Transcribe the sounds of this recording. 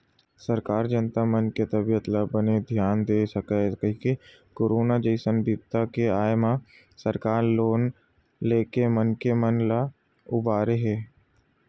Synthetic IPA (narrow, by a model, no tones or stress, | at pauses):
səɾkaːɾd͡ʒənt̪amənket̪əbijət̪labəned̪ʱjaːnd̪eːsəkakeke | koːɾoːnad͡ʒəɪsənbɪb̚t̪akeaːjmã | səɾkaːɾloːn | leːkemənkemənla | ʊbaːɾeɦɛː